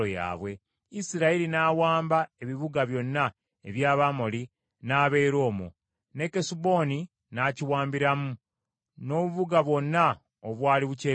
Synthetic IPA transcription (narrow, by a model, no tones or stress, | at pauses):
oja̰ːβwe̞ | isiɾailinaːwaːmbae̞βiβuɡaβjo̞nːa | eβjaːβamo̞li | naːβe̞iɾo̞ːmo̰ | ne̞kesubo̞ni | naciwaːmbiɾamu | no̞ːβuβuɡaβwo̞nːa | oβwaːliβuce